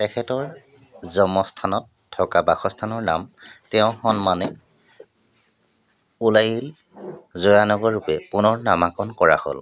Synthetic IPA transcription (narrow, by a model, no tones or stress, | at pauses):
tɛkʰɛtɔɹ | zɔmɔstʰanɔtʰːɔkabaxɔstʰanɔɹnamtɛʊ̃xɔnmanɛ | ulajil | zɔjanɔɡɔɹːupɛpunɔɹnamakɔnkɔɹa̰ho̰l